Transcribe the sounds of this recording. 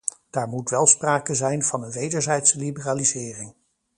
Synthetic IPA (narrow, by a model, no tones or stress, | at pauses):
d̥aːɹmutʋɛlˠspraːkəzɛjnv̥ɑnənʋejdəɹzɛjtsəlibəraːlizɪːrɪŋ